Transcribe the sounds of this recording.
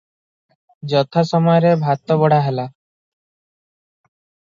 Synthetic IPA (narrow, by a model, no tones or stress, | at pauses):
d͡ʒɔt̪ʰasɔmɔjɾebʱat̪ːɔbɔɽ̤aɦɛla